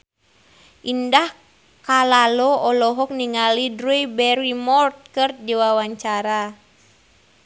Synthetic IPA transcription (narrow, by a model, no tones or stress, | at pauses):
ʔindah | kalalɔɔlɔɦɔk̚niŋalidɾujbɛɾimɔrt̪̚kɨrdiwawaɲt͡ʃaɾa